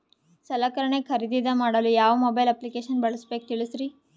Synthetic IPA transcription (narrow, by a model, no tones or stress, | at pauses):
sɐlaːkɐɾɐɳekʰɐɾid̪id̪ɐmaːɽɐlujaːʋɐmobɐjlɐplikeːʃɐnbɐɭɐsbeːkut̪iɭusɾi